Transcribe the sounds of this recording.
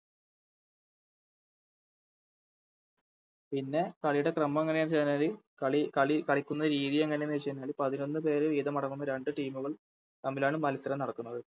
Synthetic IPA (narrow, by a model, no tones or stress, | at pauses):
pinːe̞kɐɭijuɽe̞krɐmːɐmeŋːɐnejaːnt͡ɕeðnaːli | ɭikɐɭikɐɭikʲːunːɐɨɾiːðijeŋːɐnenit͡ɕːɐðnaːɭipɐðino̞nːɨp̬e̞ːɾɨʋiːðɐmɐɽɐŋːunːɐɾe̞ɳɖɨʈiːmuɣɐɭ | t̪ɐmːilaːɳɨmːɐlɐsɐɾɐnɐɽɐkːunːɐðɨ